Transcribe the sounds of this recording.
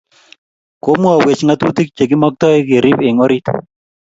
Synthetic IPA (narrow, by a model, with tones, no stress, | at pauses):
ko˦mu˦a˨we˨t͡ʃŋa˦t̪u˦t̪i˦k̚t͡ʃe˨ɡi˦mɔ˦k̚t̪ɔ˦e˦ke˨ɾi˦pe˨ŋɔ˦ɾi˦t̪